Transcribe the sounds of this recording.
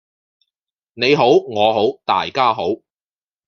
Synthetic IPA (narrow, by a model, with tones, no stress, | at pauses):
ne˨˧jɦo˨˥wŋɔː˨˧ɦo˨˥wt̪a̰ː˨˩jkaː˥ɦo˨˥w